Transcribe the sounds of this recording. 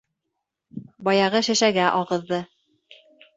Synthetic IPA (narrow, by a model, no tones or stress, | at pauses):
bɑjɑʁɤʃɘ̆ʃæɡæʔɑʁɤ̆ðːɤ